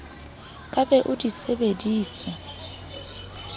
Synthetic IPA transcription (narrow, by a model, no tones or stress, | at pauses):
kʼabɛʔʊdisebediːt͡sʼɛ